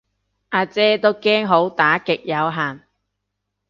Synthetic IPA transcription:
ʔaː˧t͡sɛː˥t̪o˥wkɛː˥ŋɦo˨˥wt̪aː˨˥kɪ˨k̚jɐ˨˧wɦaː˨˩n

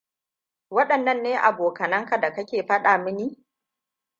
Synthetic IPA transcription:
wɐ˦ɗɐ˨nːɐ˦˨nːeː˦ʔa˨boː˨kɐ˨nɐ˦ŋka˨da˨kɐ˦kʲeː˨ɸɐ˦ɗaː˨mɪ˦niː˦

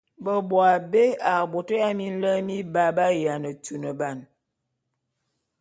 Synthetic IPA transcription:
bə˨bwa˨be˦a˨bo˨tə˦a˦mi˦n̩˦lə˦mi˦ba˨˦ba˦ja˨nə˨tu˨nə˨ba˦˨n

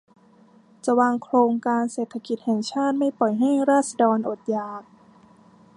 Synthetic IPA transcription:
t͡ɕa˧˩waː˧ŋkʰloː˧ŋkaː˧nseː˨˩t̪ʰːa˧ki˨˩t̪̚hɛː˨˩ŋt͡ɕʰaː˥˩t̪̚ma˥˩jpɔ˨˩jɦa˥˩jɾaː˥˩t̪̚sa˧dɔː˧nʔo˨˩t̪̚jaː˨˩k̚

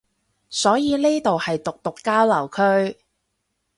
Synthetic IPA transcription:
sɔː˨˥jiː˨˧neː˥t̪o˨whɐ˨jt̪ʊ˨k̚t̪ʊ˨kːaː˥wlɐ˨˩wkʰɵ˥ɥ

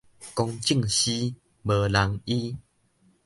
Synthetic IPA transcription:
kɔ˧ŋt͡ɕi˥˧˨ŋɕi˦ | bə˨˩la˨˦ŋi˦

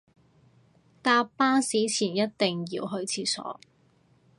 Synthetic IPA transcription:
t̪aː˧pːaː˥nsiː˨˥t͡sʰiː˨˩njɐ˥t̚t̪e˨ŋjḭː˧wɦɵ˧ɥt͡sʰiː˧sɔ̰ː˨˥

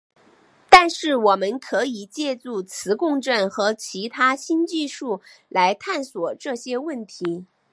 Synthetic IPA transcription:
t̪a˥˧nʂɻ̩˥˩wɔ˨˩mə˦˥nkʰɤ˧˥i˨˩t͡ɕjɛ˥˧t͡su˥˩t͡sʰɹ̩˧˥kʊ˥˧ŋʈ͡ʂə˥˩nxɤ˧˥t͡ɕʰi˧˥t̪ʰa˥ɕi˥nt͡ɕi˥˧ʂu˥˩la˧˥ɪt̪ʰa˥˩nswɔ˨˩ʈ͡ʂɤ˥˩ɕjɛ˥wə˥˩nt̪ʰi˧˥

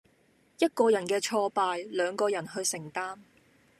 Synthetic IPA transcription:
jɐ˥t̚kɔː˧jɐ˨˩nkɛː˧t͡ʃʰɔː˧paː˨˧jlœː˨˧ŋkɔː˧jɐ˨˩nɦɵ˧ɥsɪ˨˩ŋt̪aː˥m

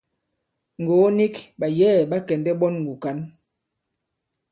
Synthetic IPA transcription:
ŋ˨ɡoː˨˦ni˦kba˨jɛː˦˨ba˦kɛ˨ndɛ˦bɔ˦nŋɡu˨ka˦n

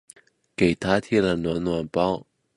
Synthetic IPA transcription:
ke˨˩ɪt̪ʰa˥t̪ʰji˥˨lə˨˩nwa˧˥nnwa˨˩npɑ˥ʊ

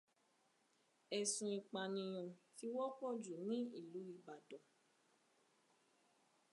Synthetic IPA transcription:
ɛ˨sũ˧i˧˨k͡pa˧nĩ˧j̃ɔ̃˨ti˨˦wɔ˦kɔ˦˨d͡ʒu˨nĩ˦i˦˨lu˨˦i˦˧ba˨dɔ˨

